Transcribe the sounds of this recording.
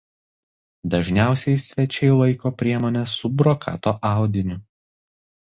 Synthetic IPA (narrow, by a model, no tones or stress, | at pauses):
d̪ɐʒʲnʲæˑʊsʲɛɪsʲʋʲɛt͡ʃʲɛɪlˠɐɪkoːpʲɾʲiɛmoːnʲɛsːʊbɾɔkʰɑ̰ːt̪oːʔɑˑʊd̪ʲɪnʲʊ